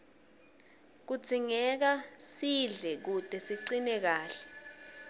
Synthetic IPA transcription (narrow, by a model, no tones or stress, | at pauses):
k̬ud̥z̥ʱiŋɛk̬asiɮɛk̬ud̥ʱʼɛsiǀinɛk̬aːɬɛ̥